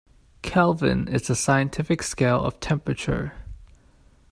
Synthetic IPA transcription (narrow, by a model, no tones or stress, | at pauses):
kʰælˠvɨ̰̃nɪzəsaɪɨ̃ntʰɪfɨkskeɪlˠʌ̰v̥tʰɛ̃mpɹɨt͡ʃə̰˞